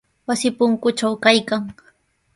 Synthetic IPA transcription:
wasɪpʊŋkʊʈ͡ʂawkajkaŋ

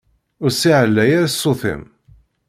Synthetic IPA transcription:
ʊɾsiʕəlːæjaɾasːʊθɪ̰m

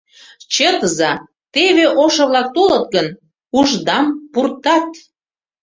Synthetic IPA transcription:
t͡ɕet̪əzɑ | t̪eβeʔoʃɤ̆βlɑk̚t̪olɤt̪̚ɡən | uʒd̪ɑmpurt̪ɑt̪

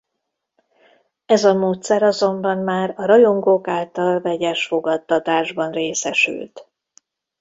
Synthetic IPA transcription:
ɛzɒmoːt̪sɛɾɒzo̞mbɒnmaːɾɒɾɒjo̞ŋɡokaːlt̪ɒlvɛɟɛʃfo̞ɡɒt̪ːɒt̪aːʒbɒnreːsɛʃy̰lt̪

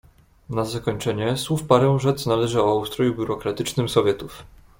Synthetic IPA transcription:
nazakɔɲt͡ʂɛɲɛswufpaɾɛw̃ʐɛt̪snalɛʐɘɔawust̪ɾɔjubʲjuɾɔkɾat̪ɘt͡ʂnɘmsɔvʲjɛt̪uf

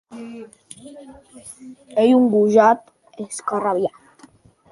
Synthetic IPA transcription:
ejuŋɡuʒat̪ | eskaraβja

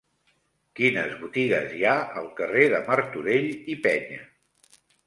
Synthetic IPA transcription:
kinəzβut̪iɣəzjaəlˠkəreðəməɾt̪uɾeʎipɛɲə

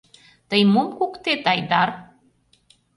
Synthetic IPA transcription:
t̪əjmomkukt̪et̪ɑjd̪ɑr

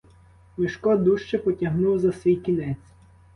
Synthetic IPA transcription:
mɪʃkɔd̪uʃt͡ʃɛpɔtʲɐɦnuwzɐsʋʲijkʲinɛt͡sʲ

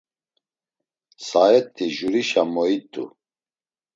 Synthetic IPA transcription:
saɛt̪ʰʼːiʒuɾiʃamɔit̪ʼṵ

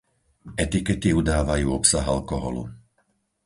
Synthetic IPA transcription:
ɛt̪ikɛt̪iud̪aːʋajuːɔpsaɦalkɔɦɔ̰lṵ

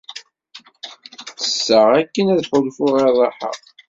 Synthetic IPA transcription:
θə̥sːəʁækːənæðħolfʊʁeðˤɑħə̰ʁ

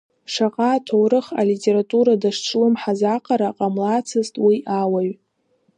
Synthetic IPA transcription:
ʂaqʼatʰowɾɨχa̰litʼe̞ɾatʼuɾadaʂʈ͡ʂʰlɨmħazaqʼaɾaqʼamlat͡sʰɨztʼwiʔawaɥ

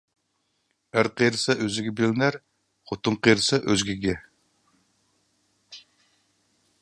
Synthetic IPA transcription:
æɾqʰejɾɨsɑʔøzɪɡʲɛbelɪnæɾ | χot̪ʰʊɴqʰejɾɨsɑʔøzɡʲiɡʲɛ

